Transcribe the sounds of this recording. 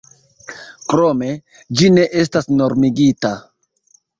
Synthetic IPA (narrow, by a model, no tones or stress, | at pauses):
kɾome̞ | d͡ʒine̞ʔe̞s̬tasno̞ɾmiɡita